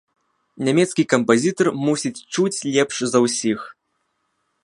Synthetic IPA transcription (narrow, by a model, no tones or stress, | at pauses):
nʲamʲɛt̪skʲikɐmpazʲit̪ɐrmusʲit͡sʲt͡ʂut͡sʲlʲɛpʂzɐwsʲix